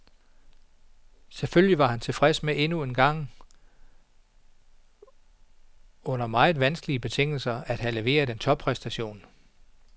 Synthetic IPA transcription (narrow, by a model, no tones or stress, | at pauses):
seføljiʋɑ̈hænt͡sʰe̝lfʁɛsmeʔe̝nue̝nɡ̥ɑ̈ŋ̰ | ɔ̽n̰ɐmɑ̈ɪð̞̩ˠʋænsɡ̥əliəb̥e̝t͡sʰe̝ŋ̰l̩sɐæd̥ɦæle̝ʋe̝̰ːɐðˠd̥ent͡sʰɒ̽b̥̚pʰʁɛsd̥æɕo̝̰ːn